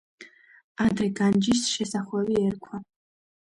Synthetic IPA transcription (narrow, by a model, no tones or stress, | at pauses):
ad̪rɛɡand͡ʒisʃɛsaχʷɛwiɛrkʷʰa